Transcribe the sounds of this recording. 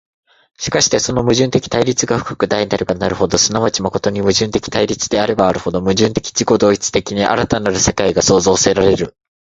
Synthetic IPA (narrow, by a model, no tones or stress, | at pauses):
ɕi̥kaɕi̥t̪e̞so̞no̞mɯ̟ʑɨ̃nt̪e̞kʲi̥t̪aiɾʲit͡sɨɡaɸɯ̟̥kḁkɯ̟d̪ainaɾʲiɡanaɾɯ̟ho̞d̪o̞sɨnaβat͡ɕimako̞t̪o̞ɲ̟imɯ̟ʑɨ̃nt̪e̞kʲi̥t̪aiɾʲit͡sɨd̪e̞aɾe̞baːɾɯ̟ho̞d̪o̞mɯ̟ʑɨ̃nt̪e̞̥kʲi̥d͡ʑiko̞d̪o̞ːit͡sɨ̥t̪e̞kʲiɲ̟iʔa̰ɾat̪anaɾɯ̟se̞kaiɡaso̞ːzo̞ːse̞ɾaɾe̞ɾɯ̟